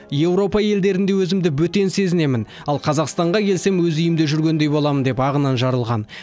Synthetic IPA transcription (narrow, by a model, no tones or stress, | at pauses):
je̞wɾo̞pɑje̞ld̪e̞ɾɪnd̪e̞wɵzɪmd̪ɪbɵt̪e̞nse̞zɪne̞mɪn | ɑlˠqʰɑzɑqst̪ɑɴʁɑkʲʰe̞lse̞mwɵzʏjɪmd̪eʒʏɾɡʲe̞nd̪e̞jbo̞lˠɑmənd̪e̞pɑʁənɑnʒɑɾəlˠʁɑn